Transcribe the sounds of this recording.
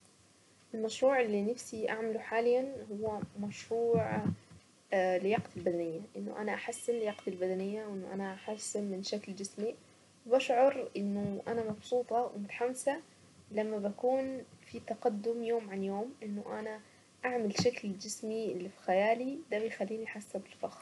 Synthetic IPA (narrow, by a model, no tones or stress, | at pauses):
ʔɪlmaʃɾuːʕɪlːinafsiʔaʕmaluħaːlɪjːanhʊwːamaʃɾuːʕ | lɪjɑqt̪ɪlbad̪anɪjːaʔɪnːʊ̰ʔanaʔaħasːɪnlɪjɑqt̪ɪlbad̪anɪjːawʔɪnːʊʔanaʔaħasːɪnmɪnʃakld͡ʒɪsmi | wɪbaʃʕɑɾˤʔɪnːʊʔanamɑbsˤuːt̪ˤɑwɪmʊt̪ḁħamsa | lamːabakuːnfit̪aqad̪ːʊmjoːmʕanjoːmʔɪnːʊʔana | ʔaʕmalʃakld͡ʒɪsmiɪlːifi̥xajaːlid̪abɪjxalːiːniʔaħasːabɪlfaxɾ